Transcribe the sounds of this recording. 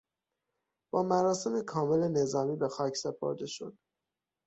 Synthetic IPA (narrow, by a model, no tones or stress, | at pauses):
b̥ɒːmæɾɒːse̞mekʰɒːme̞le̞ne̞zɒːmiːbe̞xɒːcʰse̞pʰo̰ɾd̪e̞ʃo̰d̪̥